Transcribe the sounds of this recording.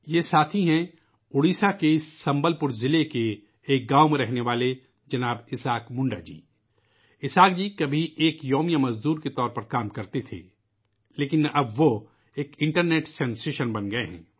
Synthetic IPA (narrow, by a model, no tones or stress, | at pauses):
jesaːt̪ʰiɦɛ̃ | ʊɽiːsakeɪsːɐ̃mbəlpʊɾzɪlekeː | k̚ɡaːomẽɾɛɦneʋaːle | d͡ʒɐnaːbɪsaːkmʊ̃ɳɖa̰d͡ʒḭː | ɪsaːk̚d͡ʒiːkɐbʱiʔeːkjoːmijamɐzd̪uːɾket̪ɔːɾpɐɾkaːmkɐɾt̪et̪ʰḛː | leːkɪnɐbʋo | eːkɪ̃ɳʈəɾneːʈsɛ̃ːnseːʃənbɐnɡɐeɦɛ̰̃ː